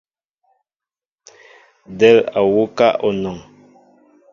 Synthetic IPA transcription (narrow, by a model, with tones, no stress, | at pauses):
dɛ˦˨la˨wo˦ka˦ʔɔ˨nɔ˨ŋ